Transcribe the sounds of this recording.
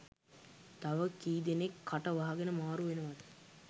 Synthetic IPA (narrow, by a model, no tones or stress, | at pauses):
t̪aʋəkiːd̪enekʰːaʈəʋaɦaɡenəmaːɾuʋenəʋad̪ə